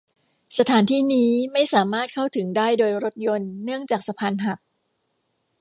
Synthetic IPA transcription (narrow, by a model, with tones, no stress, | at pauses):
sa˧t̪ʰaː˩˦nt̪ʰiː˥˩niː˦˥ma˥˩jsaː˩˦maː˥˩t̪̚kʰa˥˩wt̪ʰɯ˩˦ŋdaː˥˩jdoː˧jɾo˦˥t̪̚jo˧nːɯ˥˩əŋt͡ɕaː˨˩k̚sa˧pʰaː˧nɦa˨˩k̚